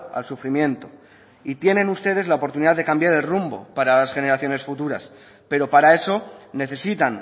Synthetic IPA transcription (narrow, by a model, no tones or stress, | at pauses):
a̰lsufɾimjẽ̞nt̪o̞ | it̪je̞nẽ̞nust̪e̞ð̞e̞zlaopo̞ɾt̪uniðaðe̞kambjaɾe̞lrumbo̞̰paɾalasxe̞ne̞ɾaθjo̞ne̞sfut̪uɾa̰s | pe̞ɾo̞paɾae̞so̞ne̞θe̞sit̪an